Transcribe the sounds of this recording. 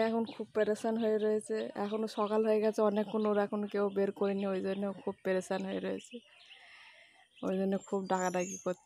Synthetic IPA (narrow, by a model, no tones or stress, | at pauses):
ɛkʰonkʰub̚peɾesanɦojeɾojet͡ɕʰeɛ̰kʰonoʃɔkalɦojeɡɛt͡ɕʰeɔnekːunoɾɛkʰonkewbeɾkoɾiniojd͡ʑonːeokʰub̚peɾesanɦoḛɾoet͡ɕʰe | o̰jd͡ʑonːekʰubɖakadaɡiko